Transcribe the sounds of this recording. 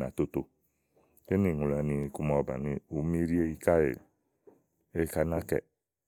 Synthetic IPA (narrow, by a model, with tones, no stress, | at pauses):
na̰˨t̪o˦to˧ | e˦ni˨ŋu˨la˨˦ni˧e˧ku˦mɔ˨ba̰˨ni˧u˨˦mi˦ɾi˦e˦i˦ka˦jḛ˨ | e˦ka˧˦na˦kɛ̰˨